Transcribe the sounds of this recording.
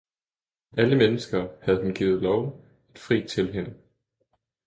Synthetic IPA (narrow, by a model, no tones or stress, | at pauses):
ʔæləmenəsɡ̥ɐːhæð̞ˠɦunɡ̥ḭːð̩ˠlɒʊ | e̝d̥fʁḭːt͡sʰe̝lɦenə